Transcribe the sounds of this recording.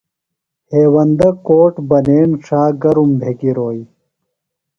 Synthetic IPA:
heːwɐnd̪ɐkoːʈbɐneːnʂaːɡɐɾumbʱeːɡiɾoːji

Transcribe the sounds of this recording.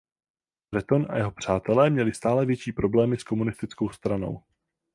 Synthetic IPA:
bɾɛt̪o̞nʔa̰jɛɦo̞pr̝̥aːt̪ɛlɛːmɲɛlɪst̪aːlɛvjɛt͡ʃiːpɾo̞blɛːmɪsko̞munɪst̪ɪt͡sko̞wst̪ɾano̞̰w

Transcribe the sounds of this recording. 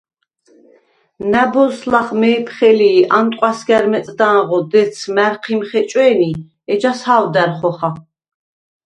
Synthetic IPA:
næbɔslaχmɛːpʰχɛliːʔant̪ʼqʼwasɡæɾmɛsʼd̪aːʁɔd̪ɛt̪sʰmæɾqʰimχɛt͡ʃʼwɛːni | ɛd͡ʒashaːwd̪æɾχɔχa

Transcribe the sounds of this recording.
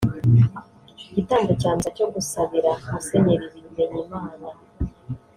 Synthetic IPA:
ɟitaːŋɡacaːnzaco̞ɡusaβiɾaase̞ɲeɾiɾizeɲimaːna

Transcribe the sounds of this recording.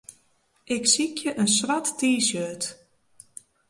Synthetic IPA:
ʔɪksikʰjəʔənswatːiːsjøːt

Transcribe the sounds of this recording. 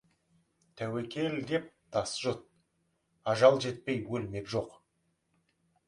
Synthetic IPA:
t̪ʰæwekʲʰe̞ld̪e̞p̚d̪̥ɑsʒot̪̚ | ɑʒɑlˠʒe̞t̪̚pe̞jwɵlme̞kʒo̞q

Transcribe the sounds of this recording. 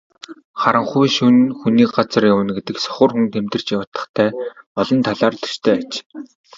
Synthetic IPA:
χaɾə̆ɴχujʃunxuniːkɢat͡sə̆rjawə̆nɡet̪ɘ̆ksɔ̥χə̆ːrxunt̪ʰemt̪ɘ̆r̥t͡ɕjawə̆t̪ə̆χt̪ʰæːɔɮɞ̆nt̪ʰaɮaːrɮʰɵ̥t͡ɕt̪ʰœːat͡ɕ

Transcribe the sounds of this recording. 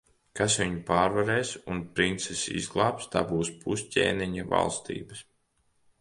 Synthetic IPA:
kasʋʲiɲupaːɾvaɾɛːsunpɾint̪sɛsḭzɡlˠaːpst̪aːbuːspʰuscʲḛːniɲava̰lˠst̪ḭːbɐs

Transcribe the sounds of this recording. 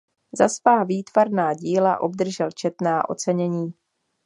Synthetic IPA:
zasvaːviːt̪vaɾnaːɟiːlaʔo̞bd̪r̩ʒɛlt͡ʃɛt̪naːʔo̞̰t͡sɛɲɛɲiː

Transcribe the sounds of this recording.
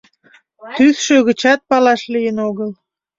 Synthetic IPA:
t̪yðʃøɣət͡ɕɑt̪̚pɑlɑʃlijənoɣəl

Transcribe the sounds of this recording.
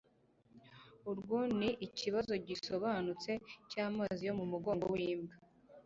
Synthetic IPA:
uɾɡoniʔiciβazo̞ɟiso̞βaːnut͡se̞caːmaːzijo̞mumuɡo̞ːŋɡo̰wiːmɡa

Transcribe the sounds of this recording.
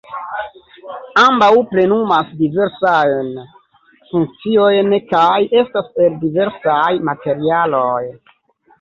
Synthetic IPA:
ambawpɾe̞numasdive̞ɾsajn | fuŋk̚t͡sio̞jnkaje̞staspe̞ldive̞ɾsajmate̞ɾialoj

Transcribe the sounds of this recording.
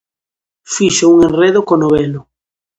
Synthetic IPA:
fiʃʊuŋenreðʊkonoβelʊ

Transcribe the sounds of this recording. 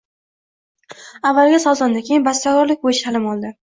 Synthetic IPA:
avːalˠɡʲasɒzand̪akʲʰejɪnbast̪aɡɒɾlɪk̚ʲbojɪʃt̪ʰalɪmɒlˠd̪ɪ

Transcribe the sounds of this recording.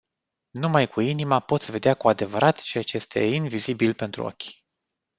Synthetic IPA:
numajkuinimapo̞t̪sʲve̞d̪eakuad̪e̞vəɾʔat̪t͡ʃe̞jat͡ʃejest̪e̞̰invizibilpe̞nt̪ɾṵo̰kʲ

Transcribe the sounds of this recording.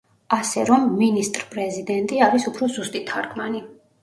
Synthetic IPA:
asɛɾɔmːinist̪ʼɾpʼɾɛzid̪ɛnt̪ʼiaɾisupʰɾɔzust̪ʼit̪ʰaɾkʰmani

